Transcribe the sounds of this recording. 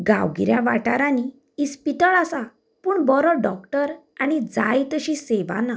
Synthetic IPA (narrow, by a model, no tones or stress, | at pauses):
ɡa̰wɡḭɾjaʋaʈaɾani | ispit̪əɭasa | puːɳbɔɾɔɖɔkʈəɾañid͡zajt̪əɕĩseʋa̰na